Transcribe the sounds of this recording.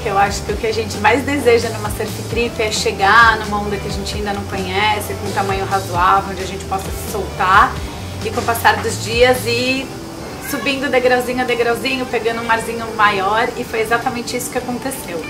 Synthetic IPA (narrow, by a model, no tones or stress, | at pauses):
ewaʃʊ̥kɪʊkɪaʒẽnt͡ʃɪmajzd̪ezeʒɐnũmɐseɾfɪt̪ɾipɪɛʃeɡanũmɐõnd̪ɐkɪaʒẽnt͡ʃɪaĩd̪ɐnɐ̃w̃kõɲɛsɪkõũt̪amɐ̃ɲʊɦazuavɪõd͡ʒɪaʒẽnt͡ʃɪ̥pɔsɐsɪ̥sowt̪aɾ | ɪkõpasaɾd̪ʊzd͡ʒiɐzɪ | subĩnd̪ʊd̪eɡɾɔzĩɲʊɐd̪eɡɾɔzĩɲʊpeɡɐ̃nd̪ʊũmaɾzĩɲʊmajɔɾɪfojezat̪ɐmẽnt͡ʃɪisʊ̥kɪakõnt̪esew